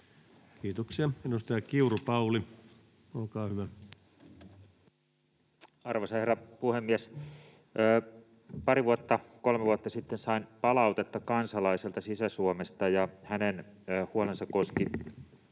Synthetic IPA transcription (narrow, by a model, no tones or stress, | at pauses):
kiːt̪oksiɑenust̪ɑjɑkiuropɑuli | olkɑːhyʋæ | ɑrʋɑsɑherːɑpuhemːiæsː | pɑɾiʋuot̪ːɑkolmeʋuot̪ːɑsit̪ːensɑinpɑlɑut̪et̪ːɑkɑnsɑlɑiselt̪ɑsisæsuomest̪ɑjɑhænen | huolensɑkkoski